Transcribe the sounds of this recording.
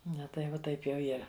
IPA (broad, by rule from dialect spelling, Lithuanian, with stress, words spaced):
ˈnɐ tɐɪ ˈʋɐ ˈtɐɪp jɛʊ ˈiːrɐ